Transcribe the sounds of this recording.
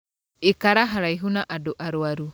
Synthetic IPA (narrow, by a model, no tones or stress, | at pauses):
ikaɾaɦaɾaiɦunaʔadoʔaɾwaɾu